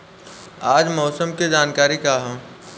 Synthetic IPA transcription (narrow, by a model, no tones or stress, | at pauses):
aːd͡ʒmɔːsəmked͡ʒaːnkaːɾikaɦɛ̃ː